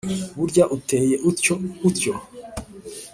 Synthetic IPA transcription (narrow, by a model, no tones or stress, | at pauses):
βuɾɟaʔute̞ːje̞ʔutco